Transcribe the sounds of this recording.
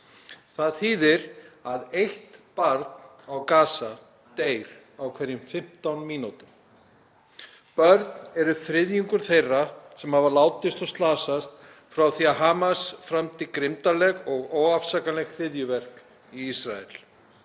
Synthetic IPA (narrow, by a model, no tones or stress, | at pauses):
θaðθiːðɪɾaðejht̪paɾt̪n | awkaːsa | t̪eːjɾ̥ | awkʰvɛɾjɪmfɪm̥t̪awnmiːnut̪ʏm | pœɾt̪nɛɾʏθɾɪðjiŋkʏɾ̥θejrːasɛmhavalaːwt̪ɪst̪ɔst̪laːsast̪ | fɾawθiaɦaːmasfɾamt̪ɪkɾɪmt̪alɛɣɔɣoːwafsakalɛɣθɪðjʏvɛr̥k | iisɾaɛ̰l̥